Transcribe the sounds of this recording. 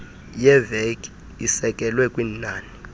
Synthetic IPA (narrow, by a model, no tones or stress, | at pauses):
jɛvɛkʰʼ | isɛkʼɛlwɛkʼwiːnnaːni